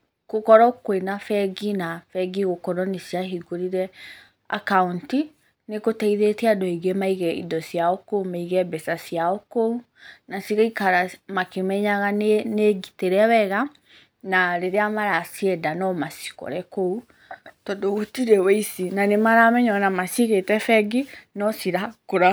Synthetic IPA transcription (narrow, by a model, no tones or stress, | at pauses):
kokɔɾɔkwenafɛɡinafɛɡiɣokɔɾɔnesiaɦiɡoɾiɾɛ | a̰kaunti | nekotɛiðetɛadɔiɣemaiɣɛḭdɔsiaɔkoumaiɣɛbɛsasiaɔkou | nasiɣaikaɾamakemɛɲaɣanneɡiteɾɛwɛɣa | naɾeɾeamaɾasiɛdanɔmasi̥kɔ̰ɾɛkou | tɔdootiɾɛweisinanemaɾamɛɲɔnamasiɣetɛfɛɡinɔsiɾakoɾa